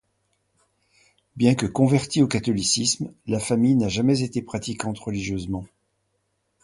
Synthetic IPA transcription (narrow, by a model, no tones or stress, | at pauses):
bjɛ̃kəkɔ̃vɛʁt̪iokat̪ɔlisismlafamijnaʒamɛzet̪epχat̪ikɑ̃t̪ʁəliʒjøzmɑ̃